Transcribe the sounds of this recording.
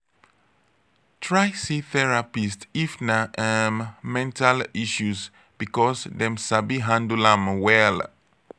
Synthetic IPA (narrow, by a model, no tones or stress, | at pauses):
tʰɹajsiθɛɹapistifnaʔammɛ̃ntaliʃus | b̥ikɔsdɛ̃msabiɦãndulãmwɛl